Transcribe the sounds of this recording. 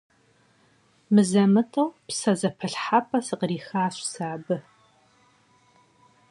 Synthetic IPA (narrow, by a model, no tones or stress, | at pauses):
mɨzɐmɨtʼɐwpsɐzɐpʰɐɬħapʼɐsɨqriːxaːɕʷsaːbɨ